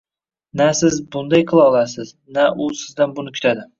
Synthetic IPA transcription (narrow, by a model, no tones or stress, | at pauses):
nasɪzbʊnd̪ajqʰɨlˠɒlˠasɪz | naʔʊsɪzd̪anbʊnɪkʲʰʊ̥t̪ʰad̪ɪ